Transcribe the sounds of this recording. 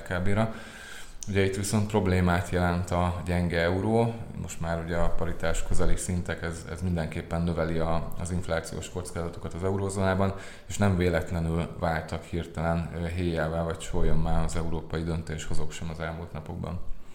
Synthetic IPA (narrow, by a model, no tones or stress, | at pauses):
kaːbeːɾɒ | uɟɛit̪ʋiso̞nt̪̚pro̞bleːmaːt̪jɛlɛnt̪ɒɟɛŋɡɛɛuɾoːmʔo̞ʃt̪maːɾuɟɛɒpɒɾit̪aːʃkøzɛlisint̪ɛkɛzɛ̰zmind̪ɛŋkeːpːɛnːøvɛliɒɒ̰ziɱflaːt̪sijo̰ːʃko̞t̪skaːzɒt̪okɒt̪ɒzɛuɾoːzoːnaːbɒn | eːʃnɛɱveːlɛt̪lɛnylvaːlt̪ɒkhirt̪ɛlɛnɦeːjaːvɛlvɒct͡ʃojomːaːɒzɛuɾoːpɒjid̪ø̞nt̪eːʃho̞zo̞kʃɛmɒzɛlmult̪nɒpo̞̰ɡ̚bɒ̰n